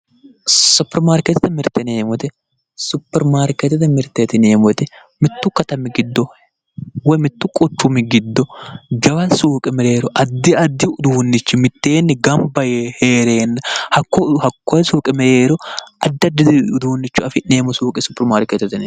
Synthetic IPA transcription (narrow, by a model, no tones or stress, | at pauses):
sʊpːɛɾmaːɾkɛt̪ɪt̪ɛmɪɾt̪ɛneːmɔt̪ɛ | sʊpːɛɾmaːɾkɛt̪ɛt̪ɛmɪɾt̪ːet̪ɪneːmɔt̪ɛ | mɪt̪ːʊkɐt̪ɐmɪɡɪd̪ːɔ | wɔjmɪt̪ːʊkʼɔt͡ʃːʊmɪɡɪd̪ːɔd͡ʒɐwɐsuːkʼɛmɛɾeːɾɔʔɐd̪ːɪɐd̪ːɪʊd̪uːnːɪt͡ʃːʊmɪt̪ːeːnːɪɡɐmbɐjheːɾeːnːhɐkːɔhɐkːɔsuːkʼɛmɛɾeːɾɔʔɐd̪ːɐd̪ɪd̪ɪʊd̪uːnːɪt͡ʃːʊɐfɪneːmɔsuːkʼɛsʊpːɛɾmaːɾkɛt̪ɛt̪ɪn